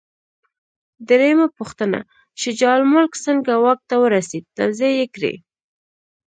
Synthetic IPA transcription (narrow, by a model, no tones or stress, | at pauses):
d̪ɾejmapʊxt̪əna̰ | t͡ʃed͡ʒɑlmʊlksəŋɡawɑk̚t̪awəɾased̪̚t̪a̰wzijajekɾḛ